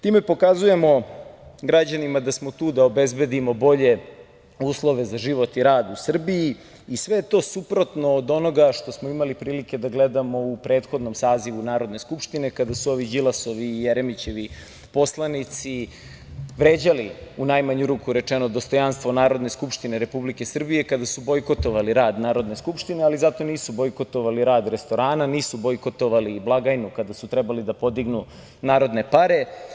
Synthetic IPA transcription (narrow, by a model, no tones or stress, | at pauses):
t̪iːme̞po̞kazuje̞mo̞ɡɾad͡ʑanimad̪asmo̞t̪uːd̪aobezbe̞d̪imo̞bo̞ʎe̞ | uːslˠo̞ʋe̞zaʒiʋo̞t̪iɾaːd̪usr̩bii | isʋe̞jet̪o̞supɾo̞t̪no̞ːd̪o̞no̞ɡaʃt̪o̞smoimalipɾiːlike̞d̪aɡle̞d̪amo̞upɾeːt̪xod̪nomsaːziʋunaːɾo̞d̪ne̞skupʃt̪ine̞kad̪asuo̞ʋid͡ʑilˠaso̞ʋiːjeɾemit͡ɕe̞ʋi | po̞slˠanit̪si | ʋɾeːd͡ʑaliunajmaɲuɾuːkuɾe̞t͡ʂenod̪o̞st̪o̞janst̪ʋo̞naːɾo̞d̪ne̞skupʂt̪ineɾe̞publike̞sr̩bije̞kad̪asubo̞jko̞t̪o̞ʋaliɾaːd̪naːɾo̞d̪ne̞skupʃt̪inealizat̪o̞niːsubojko̞t̪o̞ʋaliɾaːd̪ɾe̞st̪o̞ɾaːnaniːsubojko̞t̪oʋaliblˠaɡajnukad̪asut̪ɾɛbalid̪apo̞d̪iɡnu | naːɾo̞d̪ne̞paɾe̞